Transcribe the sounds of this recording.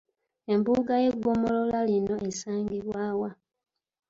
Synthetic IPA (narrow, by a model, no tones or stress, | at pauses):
e̞mbuːɡaje̞ɡo̞mo̞lo̞lalino̞ʔesaːŋɡiβwaːwa